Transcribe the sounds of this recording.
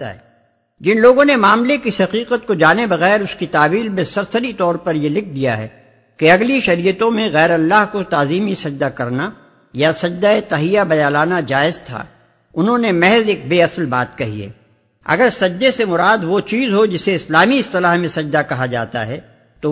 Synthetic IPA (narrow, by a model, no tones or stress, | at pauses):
a̰ɦɛ̰ | d͡ʒɪnloːɡõnemaːmlekisɐqiːqət̪̚kod͡ʒaːnebɐɣɛːɾʊskit̪aːbiːlmẽsɐɾsəɾit̪ɔːɾpɐɾjelɪk̚ʰd̪ija̰ɦɛ̰ | keɐɡliʃɐɾiːjət̪õmẽɣɛːɾɐlːaːɦkot̪aːziːmisɐd͡ʒd̪akɐɾna | jasɐd͡ʒd̪aet̪ɐɦijabɐjaːlaːnad͡ʒaːɪzt̪ʰa̰ː | ʊnɦõnemɛɦzeːk̚beːɐsəlbaːt̪kɐɦḭɛ̰ː | ɐ̰ɡəɾsɐd͡ʒd̪esemʊɾaːd̪ʋot͡ʃiːzɦod͡ʒɪseɪslaːmiɪst̪ɪlaːɦmẽsɐd͡ʒd̪akɐɦad͡ʒa̰ːt̪a̰ɦɛ | t̪o